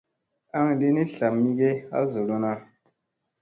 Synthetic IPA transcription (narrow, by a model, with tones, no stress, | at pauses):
a˦ŋli˦ni˦ɬa˨mːi˦ɡe˦a̰˦zo˨lo˦na˦